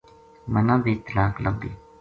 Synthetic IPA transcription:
mənãːbiːt̪əlaːkləmbḭː

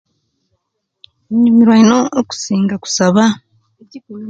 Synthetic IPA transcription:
ɲumiɾwaino̞ːku̥siːŋɡaku̥saβa

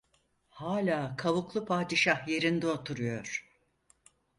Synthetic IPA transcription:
haːlʲaːkʰaβuklˠupʰaːd̪iʃahje̞ɾind̪ɛot̪ʰuɾujoɾ̥

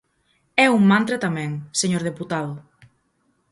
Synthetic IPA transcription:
ɛuŋmãnt̪ɾat̪amɛ̃ŋseɲoɾðeput̪aðʊ

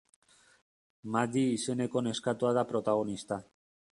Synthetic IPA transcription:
mad̪iːse̞ne̞ko̞ne̞skat̪uaðapɾo̞t̪aɣ̞o̞nist̪a

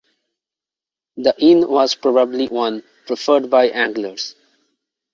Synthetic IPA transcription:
d̪əʔɪ̃nwɔzpɾɔbəbliwʌ̃n | pɾɪfəɾɖ̚baɪʔæ̃ŋɡləɾz̥

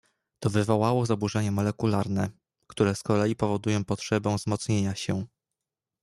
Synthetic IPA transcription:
t̪ɔvɘvɔwawɔzabuʐɛɲɛmɔlɛkulaɾnɛ | kt̪uɾɛskɔlɛjipɔvɔd̪ujɔ̃w̃pɔtʂɛbɔ̃w̃vzmɔt̪sɲeɲaɕɛ

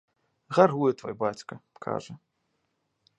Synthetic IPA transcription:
ɣarɣujɛt̪vɔ̰jbat͡sʲkɐkʰa̰ʐɐ

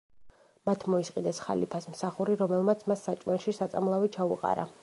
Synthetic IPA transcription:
mat̪ʰmɔisqʼid̪ɛsχa̰lḭpʰasmsaχuɾiɾɔmɛlˠmat̪sʰmasːat͡ʃʼmɛnʃisat̪sʼamlˠavit͡ʃʰauqʼa̰ɾa̰

